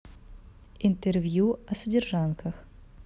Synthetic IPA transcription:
int̪ɛrvʲjuɐsədʲɪrʐankʰɐx

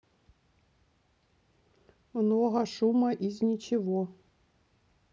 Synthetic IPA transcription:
mnɔɦɐʃumɐʔizʲnʲit͡ɕɪʋɔ

